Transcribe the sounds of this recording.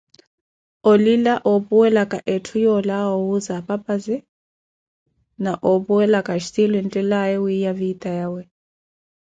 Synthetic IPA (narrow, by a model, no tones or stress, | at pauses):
olilaʔɔpʼuwɛlakʼaʔetʰujɔlaɔwuzapʼapʼazɛ | naʔɔpʼuwɛlakʼaʃi̥tilɛntʼɛlajɛwuijavit̪ʼajawɛ